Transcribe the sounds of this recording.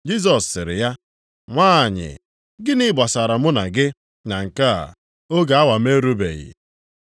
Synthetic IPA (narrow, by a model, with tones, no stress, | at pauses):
d͡ʒi˦s̬ɔ˨sːɪ˨ɾɪ̰˨ja˦ | ŋʷaː˦˨ɲɪ̰˨ | ɡɪ˦nɪ˦ba˨sa˨ɾa˨mʊ˦na˨ɡɪ˦ | na˨ŋ̩˨ka̰˦˨ | o˦ɡa˨a˦wa˨m˦e˦ɾu˦bḛ˨ɣɪ̰˨